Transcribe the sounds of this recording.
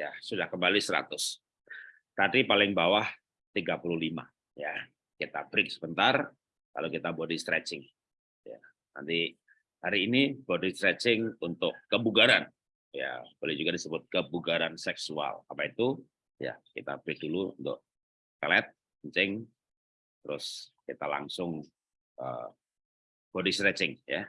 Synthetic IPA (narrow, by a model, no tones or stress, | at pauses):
jasudahkəmbalisəɾa̰t̪ʊs | t̪adipalɪŋbawah | t̪iɡapuluhlima̰ | ja | kit̪abəɾɪk̚səbənt̪ar | ka̰lokit̪abodist̪ɾɛt͡ʃɪŋ | ja̰ | na̰nt̪i | haɾiːnib̥odist̪ɾɛt͡ʃɪŋunt̪ʊkːəbuɡaɾan | ja̰bolɛhd͡ʒuɡadisəbʊt̪̚kəbuɡaɾansɛksua̰lapait̪u | ja̰kit̪a̰bɾɪk̚duluṵnt̪ʊ̰k̚ | klɛt̪̚ | əɲt͡ʃɪŋ | t̪əɾʊskit̪ala̰ŋsʊŋ | ʔə | b̥odist̪ɾɛt͡ʃɪŋja̰